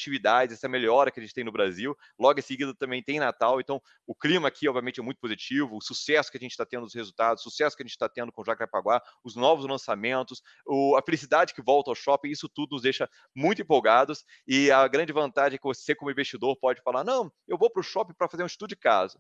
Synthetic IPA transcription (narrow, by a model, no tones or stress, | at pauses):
t͡ʃivid̪ad͡ʒɪzɛsɐmeʎɔɾɐkɪɐʒẽt͡ʃɪt̪ẽj̃nʊbɾaziw | lɔɡʊẽsɪɡid̪ɐt̪ɐ̃mẽj̃t̪ẽj̃nat̪awẽnt̪ɐ̃w̃ | ʊklĩmɐkʰiɔbviamẽt͡ʃɪɛmũj̃t̪ʊpozit͡ʃivʊːsusɛsʊkɪɐʒẽnt͡ʃɪ̥t̪at̪ẽnd̪ʊshezut̪ad̪ʊsusɛsʊ̥kɪɐʒẽnt͡ʃɪ̥t̪at̪ẽnd̪ʊkõʒakɾapaɡwaʊznɔvʊzlɐ̃samẽnt̪ʊs | ʊɐfelisid̪ad͡ʒɪkɪvɔwt̪ɐawʃɔpĩisʊt̪ud̪ʊnʊzd̪ejʃɐ | mũj̃t̪ẽpowɡad̪ʊs | ɪɐɡɾɐ̃nd͡ʒɪvɐ̃nt̪ad͡ʒɪɛkɪvosekõmʊĩvest͡ʃid̪oɾpɔd͡ʒɪfalaɾnɐ̃w̃ | ewvowpɾʊʃɔpĩpɾɐfazeɾũt͡ʃi̥t̪ud̪ʊd͡ʒɪka̰zʊ